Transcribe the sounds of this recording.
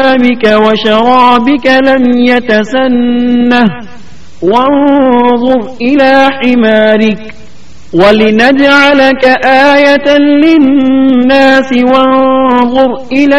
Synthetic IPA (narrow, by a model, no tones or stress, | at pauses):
bɪkawaʃɑɾˤɑːbɪkalamjat̪asanːah | wanðˤʊɾʔɪlaːħɪmaːɾɪk̚ | walɪnad͡ʒʕalakaʔaːjat̪anlɪnːaːsɪwanðˤʊɾʔɪla